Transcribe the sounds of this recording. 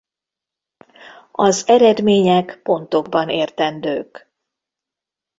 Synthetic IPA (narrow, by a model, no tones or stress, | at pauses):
ɒzɛɾɛd̪meːɲɛkpo̞nt̪o̞ɡbɒneːrt̪ɛnd̪øːk